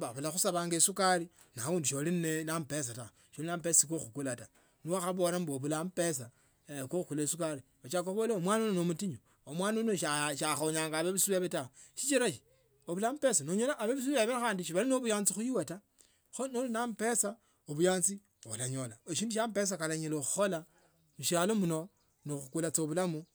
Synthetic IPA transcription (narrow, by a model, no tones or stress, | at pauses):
baβulaxusaβaːŋɡesukaɾi | nauːnduʃolinnenampes̬ata | ʃolinampesikoxukulata | niwaxaβoɾamboβulampesa | koxukulesukaɾi | aʃakoβoleomwaːnononomutiɲo | omwaːnonoʃaʃaxoɲaːŋɡaβeβisuβeβetaoʃit͡ʃiɾaʃi̥ | oβulamupesanoɲolaʔːβeβis̬uβeβexaːndiʃ̬iβaɾinoβujaːnt͡sixujiweta | xonolunampesa | oβujaːnt͡si | o̰laɲolaeʃiːnduʃampes̬akalaɲeloxu̥xola | muʃalomuno | noxukulat͡soβulamu